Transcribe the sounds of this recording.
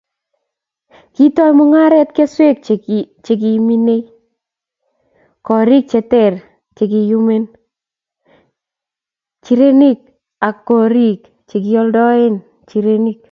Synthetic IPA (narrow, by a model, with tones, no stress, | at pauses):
ki˦tɔ˦jmɔ˦ŋa˦ɾɛ˦tke˦swe˦k̚t͡ʃe˨ɡ̬i˨mi˦ne˦i | kɔ˨ɾi˦k̚t͡ʃɛ˨tɛ˦˨r | t͡ʃe˨ɡ̬i˨ju˦me˦n | t͡ʃi˨ɾe˦ni˦k̚ | a˨kːɔ˨ɾi˦k | t͡ʃe˨ɡɪ˦ɔ˦ldɔ˦ɪ˦n | t͡ʃi˨ɾe˦ni˦k̚